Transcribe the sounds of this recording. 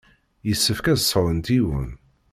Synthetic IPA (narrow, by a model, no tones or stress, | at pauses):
jəsːəfkæðsˤəɾˤənt̪iwə̰n